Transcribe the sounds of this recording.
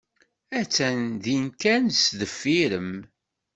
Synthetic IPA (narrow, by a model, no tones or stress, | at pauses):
æt͡sːænðinkænsðəfːiɾəm